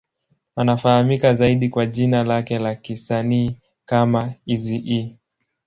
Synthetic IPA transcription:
anafahamikazaiɗikwaʄinalakɛlakisaniː | kamaiziʔi

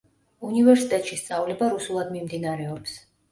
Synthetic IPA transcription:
univɛɾsit̪ʼɛt̪ʼʃist̪sʼavlɛbaɾusulˠad̪mimd̪inaɾɛɔps

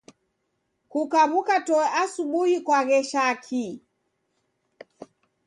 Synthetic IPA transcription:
kukaβukatɔɛʔasuɓuhikwaɣɛʃakʰi

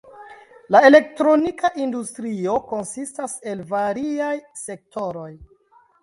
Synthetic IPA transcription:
laele̞k̚tɾo̞nikaʔindustɾio̞ko̞nsistase̞lvaɾiajse̞k̚tʰo̞ɾo̞j

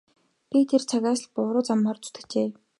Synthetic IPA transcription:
it̪ʰert͡sʰaɣaːsɮpʊːɾʊːt͡samχaːrt͡su̥t̪ɘ̆kt͡ɕeː

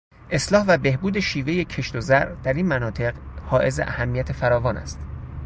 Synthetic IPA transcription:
ʔe̞slɒːhvæbe̞hbuːd̪e̞ʃiːve̞je̞cʰe̞ʃt̪ozæɾd̪̥æɾiːnmænɒːt̪ʰe̞ɢhɒːʔe̞zeʔæ̰hæmːijæt̪ʰe̞fæɾɒːvɒːnʔæ̰st̪

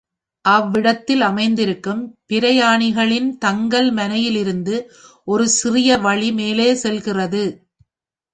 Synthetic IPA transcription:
ʔɐʋːɪɽɐt̪ːɪlɐmɐɪnd̪ɪɾɯkːɯmpɪɾɐjaːɳɪɣɐɭɪnt̪ɐŋɡɐɭmɐnɐjɪlɪɾɯnd̪ɯ | ʔɔɾɯsɪrɪjɐʋɐɭimeːleːsɛlɣɪrɐðɯ

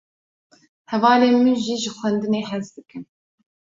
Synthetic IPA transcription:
hɛvɑːleːmɨnʒiːʒɨxʷwɛnd̪ɨneːhɛzd̪ɨkɨn

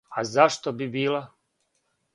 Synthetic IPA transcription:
azaʃt̪obibiːla

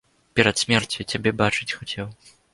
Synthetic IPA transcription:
pʲɛɾɐt̪sʲmʲɛrt͡sʲut͡sʲabʲɛbat͡ʂɨt͡sʲxat͡sʲɛw

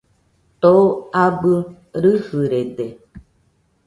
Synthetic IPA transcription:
t̪oabɨ | ɾɨhɨɾede

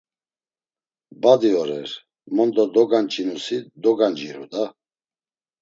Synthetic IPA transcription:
bad̪iɔɾɛɾ | mɔnd̪ɔd̪ɔɡant͡ʃʼinusid̪ɔɡand͡ʒiɾud̪a

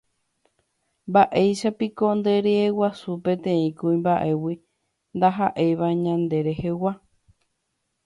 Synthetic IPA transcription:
mbaʔe̞jʃapikond̪e̞ɾeːwasupẽ̞t̪ẽĩkuĩmbaʔe̞wi | nd̪aɦaʔe̞ʋaɲãnd̪e̞ɾe̞hewa

